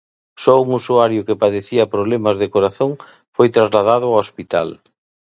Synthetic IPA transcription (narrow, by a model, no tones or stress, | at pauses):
sɔuŋusuaɾjʊkepaðeθiɐpɾoβlemɐzðekoɾaθoŋ | fojt̪ɾazlað̞aðʊaospit̪a̰l